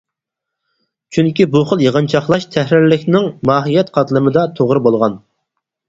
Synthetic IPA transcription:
t͡ʃʰyŋkʲibuχəlˠjeʁənt͡ʃʰɑχlˠɑʃt̪ʰɛhɾɪɾlɪkʲnɪŋmɑːɦijɛt̪qʰɑt̪lˠɨmɨd̪ɑt̪ʰoʁɾɨbolˠʁɑn

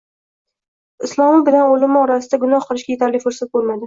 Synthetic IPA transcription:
ɪslˠɒmɪbɪlanolɪmɪɒɾasɪd̪aɡʊnɒhqɨlˠɪʃkʲajet̪ʰaɾlɪfʊɾsat̪̚bolˠmad̪ɪ

